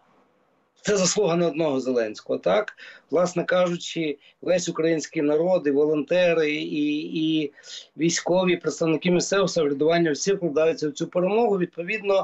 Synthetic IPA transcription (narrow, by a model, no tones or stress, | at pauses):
t̪sɛzɐslˠuɦɐnɐɔd̪nɔɦɔzelˠɛnʲsʲkɔɦɔt̪ɑkʋlˠɑsnɛkɑʒʊt͡ʃɪ | lɛsʲʊkɾɐjinʲsʲkʲinɐɾɔd̪ɪʋɔlˠɔnt̪ɛɾɪiː | ʋʲijsʲkɔʋʲipɾet̪st̪ɐwnɪkɪmɪsɛwsɐɦlʲɐd̪ʊʋɑnʲːɐwsʲiwklˠɐd̪ɑjʊt͡sʲːɐwt͡sʲupeɾemɔɦʊʋʲid̪̚pɔʋʲid̪nɔ